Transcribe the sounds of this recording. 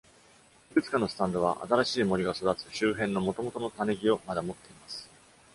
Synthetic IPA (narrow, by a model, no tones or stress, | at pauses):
ikɯ̟t͡sɨ̥kano̞sɨ̥t̪ãnd̪o̞β̞a̰ʔa̰t̪aɾaɕiːmo̞ɾʲiɡaso̞d̪at͡sɨ̥ɕɨːɦẽ̞nːo̞mo̞t̪o̞mo̞t̪o̞no̞t̪ane̞ɡʲio̞mad̪amo̞t̪ːe̞imasɨ̥